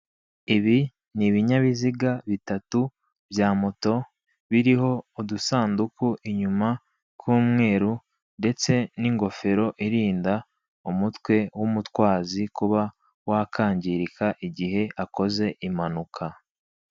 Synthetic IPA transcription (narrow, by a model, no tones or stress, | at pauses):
iβi | niβiɲaβiziɡaβitatu | bjaːmoto̞ | βiɾiɦo̞odusaːndukuʔiɲuma | kʰuːmŋe̞ːɾu | nde̞t͡se̞niŋɡo̞fe̞ɾo̞ʔiɾiːnda | umutwe̞wumutwaːzikuβa | wakʰaːɲɟiɾikaʔiɟiɦe̞ʔako̞ze̞ʔimanukʰa